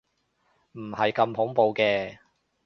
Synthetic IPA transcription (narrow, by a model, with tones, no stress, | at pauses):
m̩˨˩hɐ˨jkɐ˧mhʊ˨˥ŋpo˨˧wkɛː˧